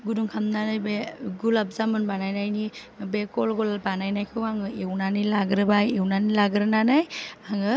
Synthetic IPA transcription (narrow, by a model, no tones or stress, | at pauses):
ɡuduŋkʰamnanajbeɡulap̚zamɯnbanajnajni | bekɔlɡɔlabanajnajkʰɯwaŋɯewnanilaɡɾɯbajewnanilaɡɾɯnanajaŋɯ